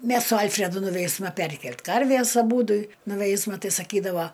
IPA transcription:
ˈmʲɛs sʊ ˈɐlʲfʲrʲɛdʊ nʊˈʋʲɛɪsmɐ ˈpʲɛrʲkʲɛlʲtʲ ˈkɐrʲʋʲeːs ɐˈbuːdʊ nʊˈʋʲɛɪsmɐ ˈtɐɪ sɐˈkʲiːdɐʋɐ

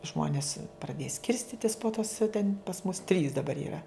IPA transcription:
ˈʒmoːnʲɪs prɐˈdʲeːjɛ ˈsʲkʲɪrʲsʲtʲɪtʲɪs poː toːs tʲɛnʲ pɐs mʊs tʲrʲiːs dɐˈbɐr iːˈrɐ

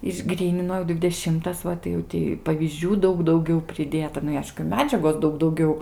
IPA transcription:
ɪʒˈɡrʲiːnʲɪnoː dʲʋʲɪdʲɛˈʃʲɪmtɐs ˈʋɐ tɐɪ jɛʊ ˈtʲiː pɐʋʲiːzʲˈd͡ʒʲuː ˈdɐʊk dɐʊˈɡʲɛʊ pʲrʲɪˈdʲeːtɐ ˈnʊ ɪ ˈɐɪʃkʊ ˈmʲæːd͡ʒʲɛɡoːs ˈdɐʊk dɐʊˈɡʲɛʊ

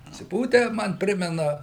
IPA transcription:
ɐtʲsʲɪˈpuːtʲæː ˈmɐn ˈpʲrʲɪmʲɛnɐ

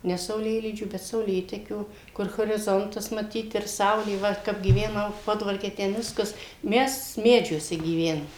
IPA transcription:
ˈnʲɛ sɐʊˈlʲeːlʲiːd͡ʒʲuː bʲɛt sɐʊˈlʲeːtʲɛkʲuː ˈkʊr ɣoːrʲɪˈzoːntɐs mɐˈtʲiːt ɪr ˈsɐʊlʲeː ˈʋɐ kɐp ɡʲiːʋʲɛˈnɐʊ ˈpoːdʋɐrʲkʲɛ ˈtʲɛn ˈʋʲɪskɐs ˈmʲɛs ˈmʲæːd͡ʒʲuɔsʲɛ ɡʲiːˈʋʲæːnoːm

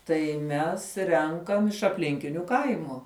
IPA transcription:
tɐɪ ˈmʲɛs ˈrʲɛŋkɐm ɪʃ ɐpʲˈlʲɪŋʲkʲɪnʲʊ ˈkɐɪmʊ

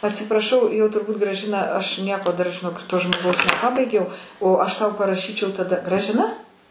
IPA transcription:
ɐtʲsʲɪprɐˈʃɐʊ jɛʊ tʊrˈbuːt ɡrɐˈʒʲɪnɐ ɐʃ ˈnʲiɛkoː dɐr ʒʲɪˈnoːk toː ʒmoːˈɡɐʊs nʲɛˈpɑːbɐɪɡʲɛʊ oː ˈɐʃ tɐʊ pɐrɐˈʃʲiːt͡ʃʲɛʊ tɐˈdɐ ɡrɐʒʲɪˈnɐ

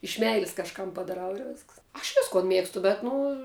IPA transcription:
ɪʃ ˈmʲɛɪlʲɪs kɐʃˈkɐm pɐdɐˈrɐʊ ɪr ˈʋʲeːsks ɐʃ ˈʋʲɪskoːn ˈmʲeːkstʊ bʲɛt ˈnʊ

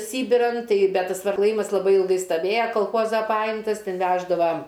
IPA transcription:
ˈsʲiːbʲɪrɐn ˈtɐɪ bʲɛt tɐs klˠɐˈjiːmɐs lˠɐˈbɐɪ ɪlˠˈɡɐɪ stɐˈʋʲeːjɛ kɐlˠˈxoːzɐ ˈpɑːjɪmtɐs ˈtʲɛn ˈʋʲæːʒdɐʋɐ

